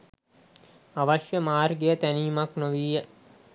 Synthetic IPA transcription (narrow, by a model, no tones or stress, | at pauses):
aʋaʃjəmaːrɡejət̪æniːmaknoʋiːjə